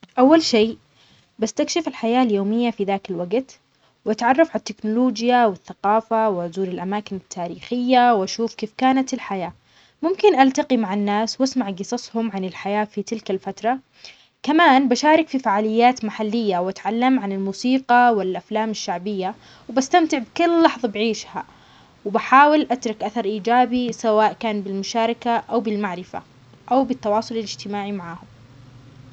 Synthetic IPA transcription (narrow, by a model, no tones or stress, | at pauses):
ʔawːalʃeː | bast̪akʃɪfɪlħajaːljoːmɪjːafiðaːkɪlwaɡt̪ | wʔat̪ʕɑrˤːɑfʕat̪ːɪknʊloːd͡ʒjawɪθːaqɑːfawɪʊzuːɾɪlʔamaːkɪnɪt̪ʰːaːɾiːxɪjːawʔaʃuːfkeːfkaːnat̪ɪlħajaː | mʊmkɪnʔalt̪aqimaʕanːaːswʔasmaʕɡɨsˤɑsˤhʊmʕanɪlħajaːfit̪ɪlkalfat̪ɾˤɑ | kamaːnbaʃaːɾˤɪkfifaʕaːlɪjːaːt̪maħalːɪjːawʔat̪ʕalːamʕanɪlmuːsiːqɑwɪlʔaflaːmaʃːaʕbɪjːa | wbast̪amt̪ɪʕbkʊlːɑħðˤɑbʕiːʃha | wɪbaħaːwɪlʔat̪ɾˤʊkʔaθɑɾˤʔiːd͡ʒaːbisawaːʔkaːnbɪlmʊʃaːɾˤɪkaʔawbɪlmaʕɾɪfa̰ | ʔawbɪt̪ːɑwɑːsˤʊlɪlɪd͡ʒt̪ɪmaːʕimaʕaːhʊm